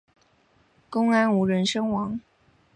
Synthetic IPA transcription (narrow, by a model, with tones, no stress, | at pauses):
kʊ˥ŋa˥nu˧˥ɻə˧˥nʂɤ˥ŋwɑ˧˥ŋ